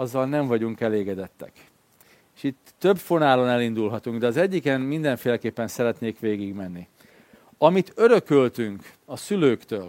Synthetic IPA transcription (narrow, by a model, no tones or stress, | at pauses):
ɒzːɒlnɛɱvɒɟuŋkɛleːɡɛd̪ɛt̪ːɛ̰k | eːʃit̪ːø̞bfo̞naːlo̞nɛlind̪ulɦɒt̪uŋɡd̪ɛɒzɛɟːikɛmmind̪ɛɱfeːlɛkeːpːɛnsɛɾɛt̪neːkʋeːɡiɡmɛnːi | ɒmit̪ø̞ɾø̞kølt̪yŋk | ɒsyløːkt̪øːl